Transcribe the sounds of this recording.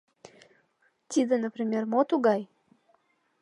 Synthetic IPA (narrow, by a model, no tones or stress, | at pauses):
t̪ʲid̪ənəpɾʲimʲermot̪uɡɑj